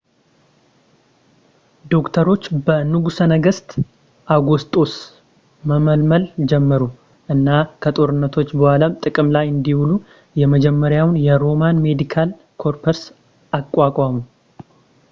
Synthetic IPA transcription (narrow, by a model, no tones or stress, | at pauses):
d̪o̞kt̪ʰəɾo̞t͡ʃːbənɨɡusənəɡəst̪ʼ | ʔaɡost̪ʼo̞s | məməlməld͡ʒɛmːəɾu | ʔɨnːakʰət̪ʼo̞ɾɨnːət̪ʰo̞t͡ʃːbəhʷalamt̪ʼɨkʼɨmlajɨnd̪ihulu | jɛməd͡ʒɛmːəɾjawnjɛɾo̞manme̞d̪ikʰal | kʰo̞ɾpʰəɾs | akʼwakʼamu